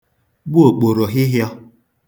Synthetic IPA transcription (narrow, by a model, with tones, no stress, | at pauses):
bu˦o˨k͡po˨ɾɔ˨ɦɪ˦ɦjɔ˦